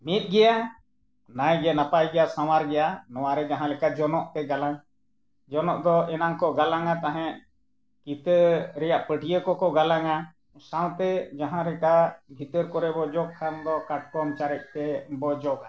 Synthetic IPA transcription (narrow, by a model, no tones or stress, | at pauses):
mit̪̚ˀɡɛja | najɡɛnapajɡɛjasaw̃aɾɡɛjanɔ̃waɾɛd͡ʒaɦãlɛkad͡ʒɔnɔʔt̪ɛɡalaŋ | d͡ʒɔnɔʔd̪ɔɛnaŋkɔɡalaŋat̪aɦɛ̃ʔ | kit̪əɾɛjaʔpəʈijəkɔkɔɡalaŋa | sãw̃t̪ɛd͡ʒaɦãɾɛkabʱit̪əɾkɔɾɛbɔd͡ʒɔɡ̚kʰand̪ɔkaʈ̚kɔmt͡ʃaɾɛk̚ˀt̪ɛbɔd͡ʒɔka